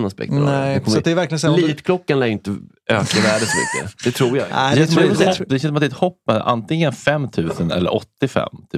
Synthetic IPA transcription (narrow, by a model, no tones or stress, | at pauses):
naspɛ̰kt̪ɛkʰɔsɔt̪d̪ɛæjvæɾklɪɡənsɛliːt̪kʰlɔkːanlɛːd̪jʏɪnt̪ə | øːkavæːɖəsɔmʏ̰kːə̰d̪̥ɛt̪ʰɾuːɾjaa̰ɛsmaɛɔd̪ɛʃɛnsmat̪ɛt̪hɔpːmɛd̪ʔa̰nt̪ɪŋːənfɛmːt̪ʰʉ̟ːsənɛ̰lːə̰ɾʔɔ̰t̪ːɪfɛ̰mːt̪ʰː